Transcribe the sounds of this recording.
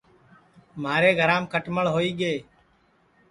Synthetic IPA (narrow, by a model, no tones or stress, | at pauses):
maːɾeːɡʱəɾãːmkəʈməɭɦoːiːɠeː